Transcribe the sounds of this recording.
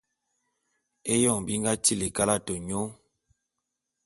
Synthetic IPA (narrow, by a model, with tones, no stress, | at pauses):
e˦jɔ˦˨bi˦ŋɡa˦ti˦˨le˨ka˦la˦˨to˨ɲo˦